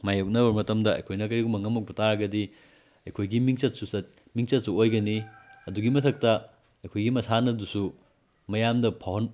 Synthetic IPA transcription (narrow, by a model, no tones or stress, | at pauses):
majok̚nɐbɐɾmɐtɐmdɐɐ̰jkʰojnɐkɐɾiɡumɐŋɐmɐk̚bɐtʰaɾɐɡɐdi | ɐjkʰojɡimiŋt͡ʃɐt̚susɐt̚ | miŋt͡ʃɐt̚suojɡɐniɐduɡimɐtʰɐk̚tɐ | ɐjkʰojɡimɐsanɐdusu | mɐjamdɐpʰawhɐn